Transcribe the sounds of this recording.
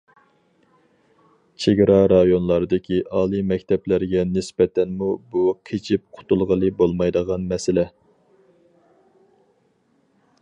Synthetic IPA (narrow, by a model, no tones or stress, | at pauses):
t͡ʃʰeɡʲɾɑɾɑjonlˠɑɾɨd̪ɨkʲʰiʔɑːlˠɨmɛkʲt̪ʰɛplæɾɡʲɛnɪsbɛt̪ʰɛnmubukʲʰet͡ʃʰip̚qʰʊ̥t̪ʰulˠʁəlˠɨbolˠmɑjd̪əʁɑnmɛsɪlɛ